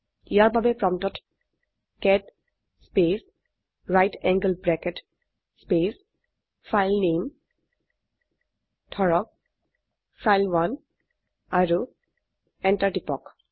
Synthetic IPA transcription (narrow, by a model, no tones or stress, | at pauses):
ijaɹbabepɹɔmtɔt | kɛd | spes | ɹajtʰɛ̃ŋɡəlbɹɛket | spes | fʰajlnem | tʰɔɹɔk̚ | fʰajlwan | aɾu | ɛ̃ntaɹʈipɔk